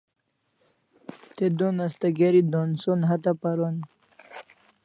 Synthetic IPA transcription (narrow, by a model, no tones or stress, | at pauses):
t̪ed̪onast̪aɡeɾid̪onsonɦat̪apaɾon